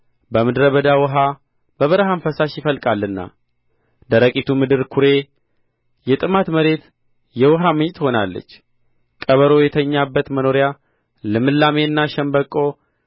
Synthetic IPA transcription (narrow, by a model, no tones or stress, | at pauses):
bəmɨd̪ɾəβəd̪awɔɦa | bəβəɾəɦaɱfəsaʃjɪfəlkʼalːɨnːa̰ | d̪əɾəkʼit̪ʰumɨd̪ɨɾkʰuɾe̞ | jɛt̪ʼɨmat̪məɾe̞t̪ | jɛwɔɦamɨɲːt̪ʰʼho̞nalːə̰t͡ʃː | kʼəβəɾo̞jɛt̪ʰəɲːabːət̪məno̞ɾja | lɨmɨlːameɨnːaʃɛmbəkʼːo̞